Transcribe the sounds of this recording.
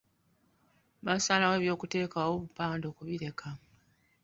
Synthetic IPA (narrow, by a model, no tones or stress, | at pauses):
βasaːlawe̞ːβjo̞ːkute̞ːkawoβupaːndo̞ːkuβiɾe̞kʰa